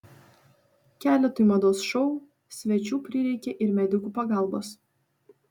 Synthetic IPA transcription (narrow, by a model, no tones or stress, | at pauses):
kʲæːlʲɛt̪ojmɐd̪oːsʃɔʊ | sʲʋʲɛt͡ʃʲuːpʲɾʲɪɾʲɛɪkʲɛʔɪɾmʲɛd̪ʲɪkuːpɐɡɑˑlˠbos